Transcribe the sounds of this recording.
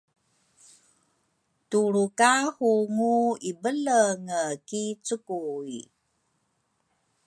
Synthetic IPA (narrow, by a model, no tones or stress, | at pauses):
tuɾukahuŋuibələŋəkit͡sukui